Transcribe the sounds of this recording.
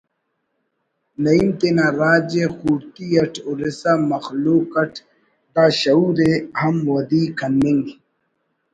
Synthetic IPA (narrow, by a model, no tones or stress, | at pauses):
nɐimt̪enaɾaːd͡ʑexuːɾt̪iɐʈʰuɾesamɐxluːkɐʈʰ | d̪aːɕɐuːɾehɐmwɐd̪iːkʰɐnmiŋɡ